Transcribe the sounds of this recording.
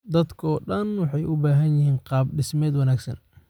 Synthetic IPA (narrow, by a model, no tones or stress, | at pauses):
d̪ɐd̪kʰɔːɖɐnwɑħɑjʔʊbaːɦɐnjɪɦiːnqɑːb̚ɖɪsmɛːd̪wɐnaːɡsɐ̰n